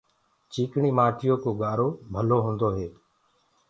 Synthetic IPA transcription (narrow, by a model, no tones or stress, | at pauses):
t͡ʃiːkɳiːmaːʈɪjoːkoːɠaːɾoːbʱəloːɦũːnd̪oːɦeː